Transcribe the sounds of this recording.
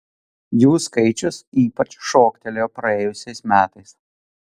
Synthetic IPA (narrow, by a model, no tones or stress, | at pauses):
juːskɐɪt͡ʃʲʊsiːpɐt͡ʃʃoːkt̪ʲɛlʲoːpɾɐeːjʊsʲɛɪsmʲæːt̪ɐɪs